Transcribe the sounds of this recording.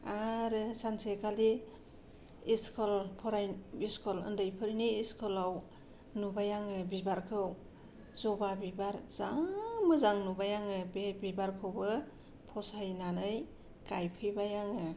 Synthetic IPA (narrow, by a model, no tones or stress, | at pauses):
aɾɯsansʰekali | iskʰɔlpʰɔɾajniskʰɔlɯ̰ndɯjpʰɯɾiniːskʰɔlaw | nubajaŋɯbibaɾkʰɯw | zɔbabibaɾz̥aŋmɯzaŋnubajaŋɯbbibaɾkʰɯwbɯ | pʰɔsajnanɯj | kajpʰɯjbajaŋɯ